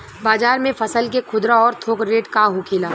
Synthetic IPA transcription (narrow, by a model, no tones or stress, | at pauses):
baːzaːɾmẽfɐsəlk̬ekʰʊd̪ɾaɔːɾt̪ʰoːkɾeːʈkaɦokʰeːlaː